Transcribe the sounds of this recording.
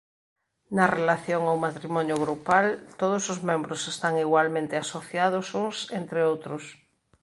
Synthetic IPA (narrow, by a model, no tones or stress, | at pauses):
nɐrelaθjoŋawmat̪ɾimɔnjoɣɾupalt̪oð̞osozmẽmbɾosest̪aŋiɣwalmẽnt̪easoθjað̞osuŋsent̪ɾeowt̪ɾʊs